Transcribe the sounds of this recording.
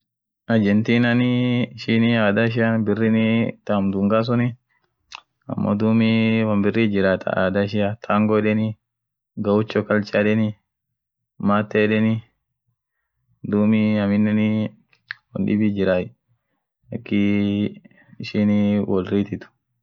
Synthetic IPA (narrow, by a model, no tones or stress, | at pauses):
ʔɐd͡ʒɛnt̪iːnɐniɪʃɪniaːd̪aʃ̬ɪjanbɪrːɪnit̪aːmd̪ʊŋɡaːs̬ʊnɪ | ɐ̰mːo̰d̪uːmiwɐmbɪrːiːd͡ʒɪɾaːt̪ʰɐ̰ʔa̰ːd̪aɪʃ̬ɪjat̪ʰaːŋɡɔɛᶑɛnɪ | ɡɐwʊt͡ʃːɔkɐlt͡ʃʼaːᶑɛnɪ | maːt̪ːɛɛᶑɛnɪ | d̪uːmɪɐmɪnːɛni | wɐ̰nᶑɪ̰bid͡ʒɪɾaːj | ɐkːɪ | ɪʃiniwɔlɾiːt̪ɪt̪ʊ̥